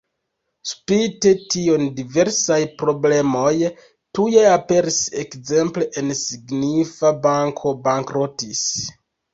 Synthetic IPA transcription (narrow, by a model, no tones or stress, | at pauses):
spitetio̞ndive̞ɾsajpɾo̞ble̞mo̞j | tuje̞ape̞ɾise̞kze̞mple̞ʔensiɡnifabaŋkʰo̞baŋkɾotis